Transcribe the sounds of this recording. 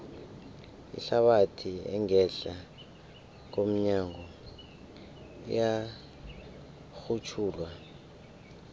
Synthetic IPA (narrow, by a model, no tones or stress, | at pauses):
ḭɬaɓatʰiɛ̰ŋɛɬa | k̬om̩ɲaŋɔ | ja | xut͡ʃʰuːlwa